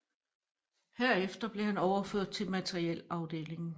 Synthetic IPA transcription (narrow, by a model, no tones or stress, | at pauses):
hæɐ̰efd̥ɐb̥le̝ɦænɒʊɐføɐ̰d̥̚t͡sʰe̝lmæt͡sʰeʁiel̰ɑ̈ʊd̥e̝̰ːle̝ŋ̩